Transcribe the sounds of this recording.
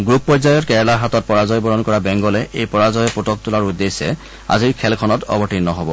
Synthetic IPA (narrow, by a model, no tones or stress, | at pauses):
ɡɹupːɔzajɔtkɛɹɛlaɦatɔt̚pɔɹazɔjbɔɹɔnkɔɹabɛŋɡɔlɛʔejpɔɹazɔjɔputɔk̚tʊlaɹudːesɛ̰ | a̰ziɹkʰɛlkʰɔnɔtɔ̰bɔtinnɔɦɔbɔ